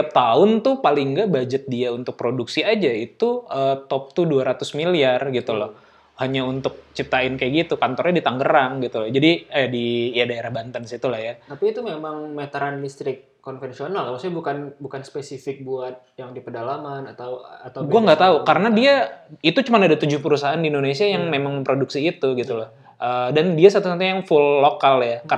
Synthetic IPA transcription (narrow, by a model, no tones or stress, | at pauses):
t̪ap̚t̪aʊnt̪ʊhpalɪŋɡabad͡ʒət̪̚diaunt̪ʊk̚pɾoduksiad͡ʒait̪uət̪ɔp̚t̪uduaɾat̪ʊsmiliarɡit̪ulɔh | haɲaunt̪ʊk̚t͡ʃip̚t̪aɪnkajaɡit̪ukant̪ɔrɲadit̪aŋɡəɾaŋɡit̪ulɔhd͡ʒadidiadaeɾahbant̪ənsit̪ulahjat̪apiːt̪umemaŋmet̪əɾanlist̪ɾɪkːonfɛnsionalkalasajabukanbukanspesifɪk̚buat̪̚jaŋdipərdalamanat̪awat̪aɡuaŋɡat̪aukaɾənadiait̪ut͡ʃumanadat̪ud͡ʒʊhpəɾusaɦandindonesiajaŋmemaŋməmpɾoduksiːt̪uɡit̪ulɔh | ʔədandiasat̪usant̪ujaŋfulːokaljaka